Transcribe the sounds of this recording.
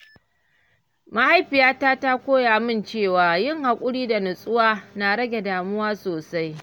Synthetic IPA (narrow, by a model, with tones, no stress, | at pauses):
ma˦ha˦jɸɪ˨jaː˦taː˦ta˦kʷoː˦ja˨mɪ˦nt͡ʃeː˦˨waː˨jɪ˦˨ŋha˨kʷʼʊ˦ɽiː˦da˨nʊ˨sʼʊ˦waː˦na˨ɽɐ˦ɡʲe˨daː˨mʊ˦waː˦soː˨sa˦j